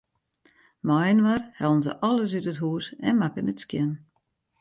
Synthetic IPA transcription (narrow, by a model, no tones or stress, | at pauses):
mɔjənʋarhɛlˠən̩zə̰ʔɔlˠəs̬ytətɦuːsɛ̰nmakənətskjɪn